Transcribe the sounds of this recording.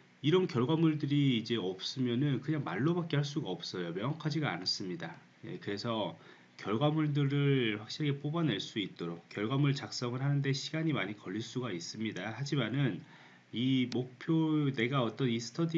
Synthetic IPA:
iɾʌnkjʌɭɡwamuɭdɯɾiːd͡ʑe̞ʌp̚s͈ɯmjʌnɯnkɯɲaŋma̰ɭːobak͈̚eɦaɭs̬͈uɡaʌp̚s͈ʌjomjʌŋʌkʰad͡ʑiɡaa̰nas͈ɯmɲida | je̞̰kɯɾe̞sʰʌ | kjʌɭɡwamuɭdɯɾɯɭɸwak̚ɕ͈iɾekep͈obane̞ɭs͈uit̚t͈oɾok̚k͈jʌɭɡwamuɭt͡ɕak̚s͈ʌŋɯɭɦanɯnde̞ɕʰiɡaɲimaɲikʌʎːiɭs͈uɡais͈ɯmɲidahad͡ʑimanɯn | imok̚pʰjone̞ɡaʌt͈ʌnisʰɯ̥tʰʌdi

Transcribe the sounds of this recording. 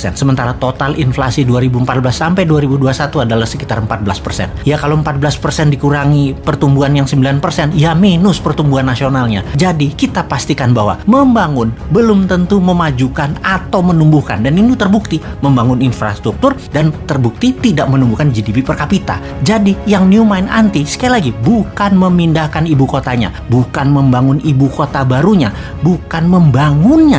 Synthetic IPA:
ɛ̰nsəmənt̪aɾat̪ot̪alinflasiduaɾibuəmpat̪̚blasːampɛjduaɾibuduasat̪uadalahsəkit̪arəmpat̪̚blaspərsɛ̰njakaloəmpat̪̚bəlaspərsɛndikuɾaŋipərt̪umbuanjaŋsəmbilanpərsɛnjaminʊspərt̪umbuanːasionalɲa̰d͡ʒadikit̪apast̪ikanbawa̰məmbaŋʊnbəlʊmt̪ənt̪uməmad͡ʒukanat̪awmənumbuhka̰ndaninut̪ərbuk̚t̪iməmbaŋʊninfɾa̰st̪ɾuk̚t̪ʊrdant̪ərbuk̚t̪it̪idaʔ̚mənumbuhkand͡ʒidipipərkapit̪a̰ | d͡ʒadijaŋniumaɪna̰nt̪isə̥kailaɡibukanməmindahkanibukot̪aɲa̰ | bukanməmbaŋʊnibukot̪abaɾuɲa | bukanməmbaŋʊnɲa

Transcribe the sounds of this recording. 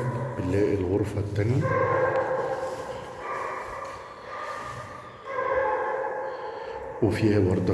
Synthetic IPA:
bɪlːæːʔɪlɣʊɾfæt̪ːæni | wɪfiːhæwɑɾˤd̪ˤɑ

